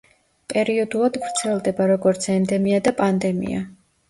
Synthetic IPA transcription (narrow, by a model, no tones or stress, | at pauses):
pʼɛɾiɔd̪ulˠad̪vɾt̪sʰɛlˠd̪ɛbaɾɔɡɔɾt̪sʰɛmd̪ɛmiad̪apʼand̪ɛmḭa̰